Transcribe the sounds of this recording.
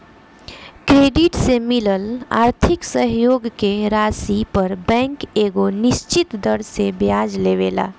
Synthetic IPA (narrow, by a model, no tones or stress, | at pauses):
kɾeːɖiʈsemiləla̰ːɾt̪ʰiksəɦjoɡkeɾaːsipəɾbɛ̃ŋkeːɡonɪst͡ʃit̪d̪əɾsebjad͡ʒleʋela̰ː